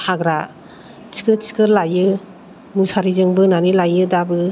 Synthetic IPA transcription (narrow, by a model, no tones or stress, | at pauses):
haɡɾa | t͡ʃi̥kɯt͡ʃi̥kɯɾlajɯ | musaɾizɯŋbɯnanilajɯdabɯ